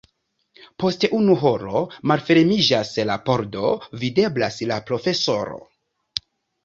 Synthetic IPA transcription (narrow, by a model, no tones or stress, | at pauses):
po̞steʔunuɦo̞ɾo̞malfe̞ɾmid͡ʒaslapo̞ɾdo̞vide̞blaslapɾo̞fe̞so̞ɾo̞̰